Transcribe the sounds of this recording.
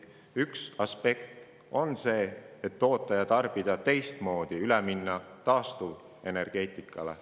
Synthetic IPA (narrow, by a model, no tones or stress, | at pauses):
yksɑspe̞kt̪ | o̞nse̞ːet̪ːo̞ːt̪ˑːɑjɑt̪ɑrb̥id̪̥ɑt̪e̞jst̪mo̞ːd̪̥iylɛminːɑt̪ɑːst̪uv | e̞ne̞rɡ̥e̞ːt̪ˑikːˑɑlḛ